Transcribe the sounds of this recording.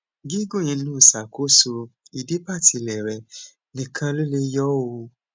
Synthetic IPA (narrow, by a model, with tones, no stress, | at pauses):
ɡi˦ɡo˦˨j̃ĩ˧n̩˦u˦˨sa˨kʰo˦so˧i˨de˨˦pa˦˨tʰi˧˨lɛ˨ɾɛ˨ | nĩ˨kʰã˧lo˦le˦jɔ˦wo˧